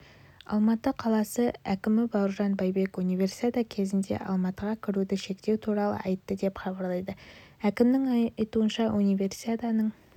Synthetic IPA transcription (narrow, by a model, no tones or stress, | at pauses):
ɑ̰lˠmɑt̪əqʰɑlˠɑsəækʲɪmɪbɑwɾʒɑnbɑjbe̞kunijvʲe̞rsi̥t̪ad̪akʲʰe̞zɪnd̪e̞̰ʔɑ̰lˠmɑt̪əʁɑkʲʰɪɾud̪ɪʃe̞kt̪e̞wt̪ʰuɾɑlˠə̰ɑjt̪ːəd̪e̞pχɑbɑɾlˠɑjd̪əækʲɪmnɪŋjt̪uənʃɑʔunijvʲe̞ɾsi̥ad̪ɑnəɴ